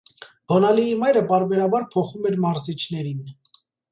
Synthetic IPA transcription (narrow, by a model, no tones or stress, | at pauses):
b̥ɔnɑliimɑjɾəpɑɾbɛɾɑbɑɾpʰɔχumɛɾmɑɾzit͡ʃʰnɛɾin